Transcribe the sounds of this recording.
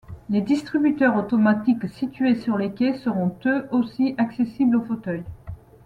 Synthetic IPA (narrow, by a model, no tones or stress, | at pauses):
led̪ist̪χibyt̪œʁot̪ɔmat̪iksit̪ɥesyʁlekʲesəʁɔ̃t̪øʔosiʔaksesiblofot̪œj